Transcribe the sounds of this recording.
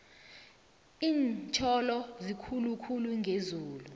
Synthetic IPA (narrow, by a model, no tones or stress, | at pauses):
iːnt͡ʃʰɔlɔzikʰulukʰuluŋʱezuːlu